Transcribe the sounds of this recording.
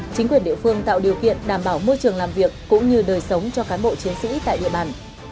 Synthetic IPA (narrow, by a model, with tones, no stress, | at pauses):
t͡ɕï˨˦ŋ̟kwi˨˩ənɗḭ˧˨əfɨ˧əŋt̪a̰ː˧˨wɗi˨˩əwkḭ˧˨ənɗaː˧˩mɓaː˧˩wmo˧jt͡ɕɨ˨˩əŋlaː˨˩mvi˨˩əkːʊ̰˧˥ŋ͡mɲɨ˧ɗəː˨˩jsə˨˦wŋ͡mt͡ɕɔ˧kaː˨˦nɓo̰˧˨t͡ɕi˨˦ənsḭ˧˥t̪a̰ː˧˨jɗḭ˧˨əɓaː˧˩n